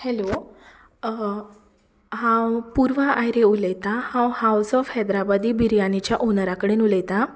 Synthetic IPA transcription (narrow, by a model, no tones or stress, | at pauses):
hɛlo | hãwpuɾʋaʔajɾeuləjt̪ahãwhawsɔfhɛd̪ɾabad̪iːbiɾjanit͡ɕjaʔonaɾakəɽenuləjt̪a